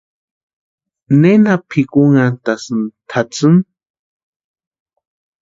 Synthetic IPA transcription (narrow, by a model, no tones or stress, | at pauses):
nenapʰikuŋant̪asɨnt̪ʰat͡sɨn